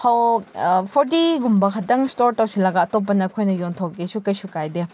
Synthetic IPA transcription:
kʰawpʰɔɾt̬iɡumbɐkʰɐtɐŋstoɾtawsilɐɡaɐtop̬ːɐnɐkʰojnɐjɔntʰɔkesukɐjsukajde

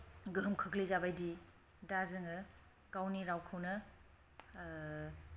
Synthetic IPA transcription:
ɡɯɦmkʰəklizabajdi | dazɯŋɐ | kawniɾawkʰawnɐ

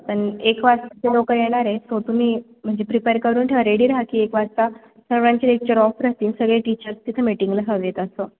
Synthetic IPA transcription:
pəɳekʋast̪at͡ɕelokəjeɽ̃aɾesot̪um̤iː | m̤əɳd͡ʑepɾipeɾkəɾuːnʈʰeəɾeɽiːɾaɦəkiːekʋast̪a | səʋɭãɲt͡ɕelek̚t͡ɕəɾɔfɾat̪insəɡɭeʈit͡ɕəɾst̪it̪ʰemiʈiŋɡləɦəʋjet̪əso

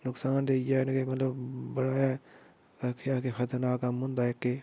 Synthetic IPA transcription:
nʊksaːnd̪eːjɛnkemət̪ləbbəɽaːja | akʰjaːkexət̪əɾnaːkamʊnd̪aːekːe

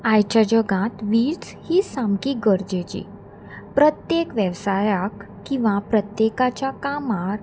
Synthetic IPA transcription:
ajt͡ɕad͡ʑəɡãt̪ʋiːɾt͡s | hiːsãmkiɡəɾd͡ʑet͡ɕḭː | pɾət̪jekʋjəʋsajakːĩʋapɾət̪jekat͡ɕjakamaɾ

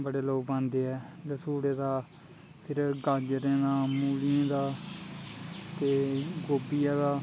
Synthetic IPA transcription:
bəɽeːloːkbãːnd̪eːɦɛːd̪esuːɽeːd̪aː | pʰɪɾɡəd͡ʒɾẽːd̪aːmuːliãːd̪aː | t̪eːɡoːbijaːd̪aː

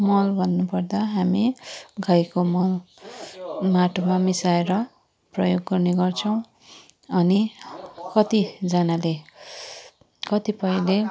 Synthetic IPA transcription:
mʌlbʱʌnːupʌrd̪aɦamiɡʱajkomʌ | maʈʰumamisaeɾʌ | prʌjoɡːʌrneɡʌrt͡sʰʌw̃ | ʌnikʌt̪id͡zanale | kʌt̪ipʌĩle

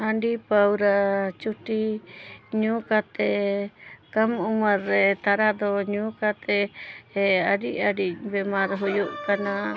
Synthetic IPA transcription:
aɳɖipawɾat͡ʃut̪i | ɲũkat̪e | kamumaɾet̪aɾad̪oɲũkat̪eeaɾiaɖibemãɾɦujuʔkanã

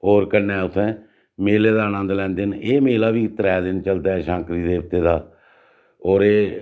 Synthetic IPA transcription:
oːɾkəɾnɛːʊt̪ʰːɛ̃ː | meːleːd̪aːənə̃ːnd̪lɛ̃ːnd̪eːneːmeːlaːʋiːt̪əɾɛːd̪ɪnt͡ʃəld̪aːʃãːkɾiːd̪eːb̚t̪eːd̪aː | ɔːɾeː

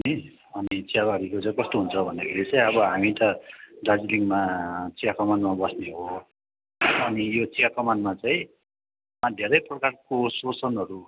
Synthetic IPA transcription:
ʌni | ʌnit͡siabaɡikot͡saĩkʌst̪oɦunt͡sʰʌbʱʌnd̪akʰelet͡saĩʌbʌɦamit̪ʌɖad͡ziliŋmat͡sikakʌmanmabʌsneɦo | ʌnijot͡sikakʌmanmat͡saĩ | mad̪ʱeɾʌjprʌkarkososʌnʌɾu

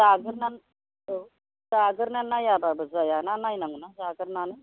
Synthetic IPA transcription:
saɡəɾnan | o | saɡəɾnanajababəd͡zajananajnaŋɡunasaɡəɾnanə

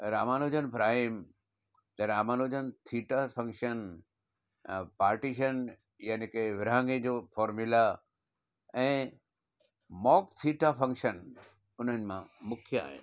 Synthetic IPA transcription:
ɾaːmaːnoːd͡ʑənpɾaːɪm | t̪ɐɾaːmaːnoːd͡ʑənt̪ʰiːʈafɐ̃ŋkʃən | paːɾʈiʃən | janikeʋɪɾãːŋɡed͡ʑoːfɔːɾmɪla | ɛ̃ː | mɔːk̚t̪ʰiːʈafɐ̃ŋkʃən | ʊn̤ənɪ̆mãmʊkʰija̰ːɦɪ̰n

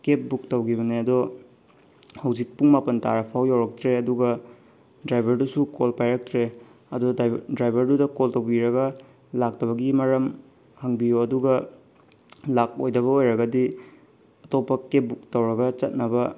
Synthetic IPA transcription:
kep̚buktɐwɡiβɐneɐdo | hɐwzik̚puŋmapɐnta̰ɾɐpʰawjawɾɐk̚tɾeɐduɡɐ | dɾajbʱɐɾdusukolpajɾɐk̚tɾeɐdodɾajbʱɐɾdudɐkoltɐwbiɾɐɡɐ | lak̚tɐβɐɡimɐɾɐm | hɐŋbijoɐduɡɐ | lak̚ojdɐβɐojɾɐɡɐdi | ɐtopːɐkep̚buk̚tɐwɾɐɡɐt͡ʃɐt̚nɐbɐ

